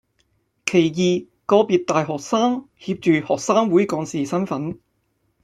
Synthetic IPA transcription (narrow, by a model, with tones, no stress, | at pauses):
kʰe˨˩jjiː˨ | kɔː˧piː˧t̚t̪aː˨jɦɔː˨k̚saː˥ŋ | hiː˧p̚t͡ʃyː˨hɔː˨k̚saː˥ŋwuː˨˥jkɔː˨˧ŋsiː˨sɐ˥nfɐ˨˥n